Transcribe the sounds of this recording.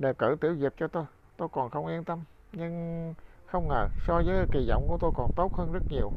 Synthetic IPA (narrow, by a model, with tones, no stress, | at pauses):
ɗe˨˩kɨ̰˧˩t̪i˧˩əwzi˨˩p̚t͡ɕɔ˧t̪o˧j | t̪o˧jkɔ˨˩nxə˧wŋ͡mʔi˧ənt̪ə˧m | ɲɨ˧ŋxə˧wŋ͡mŋəː˨˩sɔ˧zəː˨˦˨ki˨˩zɔ̰˧˨wŋ͡mku˧˩ət̪o˧jkɔ˨˩nt̪o˦˥t̚həː˧nzə˦˥t̚ɲi˨˩əw